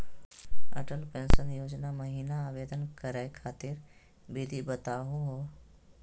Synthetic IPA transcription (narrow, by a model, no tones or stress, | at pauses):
ə̰ʈəlpẽːnsənjoːd͡ʒnaməɦiːnaaːʋeːd̪ənkəɾekʰaːt̪ɪɾ | bɪd̪ʱibət̪aːɦoɦoː